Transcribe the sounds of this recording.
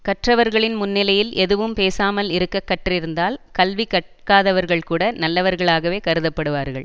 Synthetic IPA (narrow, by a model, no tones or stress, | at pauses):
kɐʈrɐʋɐɾɣɐɭɪnmʊnːɪlɐjɪlʔɛðɯʋɯmpeːsaːmɐlɪɾɯkːɐkːɐʈrɪɾɯnd̪aːlkɐlʋikɐʈ̚kaːðɐʋɐɾɣɐɭkuːɽɐnɐlːɐʋɐɾɣɐɭaːɣɐʋeːkɐɾɯðɐpːɐɽɯʋaːɾɣɐ̰ɭ